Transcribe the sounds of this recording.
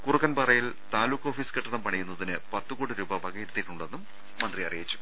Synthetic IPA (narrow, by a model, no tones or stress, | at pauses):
kurukːɐnpɐrɐjil | t̪aːlukːo̞ːfiːskeʈːɐnɐmpɐɳɐjunːɐðinɨpɐt̪ːukuːɽiɾuːbɐbɐɡɐjeɾut̪ːiʈːuɳɖːe̞nːumː | ɐnd̪rijɐrijit͡ɕːu̥